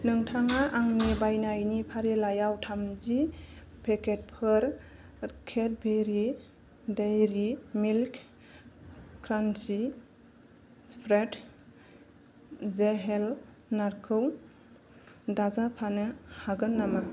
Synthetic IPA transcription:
nɯŋtʰaŋaʔaŋnebajnajnipʰaɾelajawtʰamzi | pʰekʰet̚pʰɯɾ | kʰet̚beɾi | dejɾimilk | kʰɾansi | spʰɾet | zeɦel | naɾkʰɯw | dazapʰanɯhaɡɯnːama

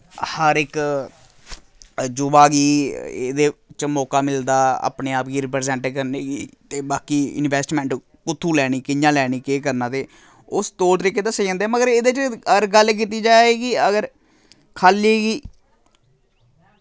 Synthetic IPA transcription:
həɾɪk | d͡ʒʊbaːɡiːḛːd̪eːt͡ʃəmɔːkaːmɪld̪aːa̰ːpneːaːpɡiːɾɪp̬ɾːzɛ̃ːɳʈːkəɾneːɡiːt̪eːbaːkiːɪ̰nʋɛːsʈmɛ̃ːɳʈ | kʊt̪ʰːuːlɛːɽ̃iːkɪjãːlɛːɽ̃iːkeːk̬əɾnãːt̪eː | ʊst̪oːlt̪əɾiːkeːt̪aːsəid͡ʒãːnd̪eːɛːməɡəɾeːd̪et͡ʃəəɾɡəlk̬it̪iːd͡ʒaːeːɡiəɡəɾ | kʰaːleːɡiː

